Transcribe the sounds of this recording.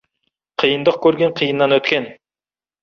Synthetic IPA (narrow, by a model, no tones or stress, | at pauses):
qʰijənd̪əq̚kʲʰɵɾɡʲeɴqʰijənːɑnɵt̪kʲen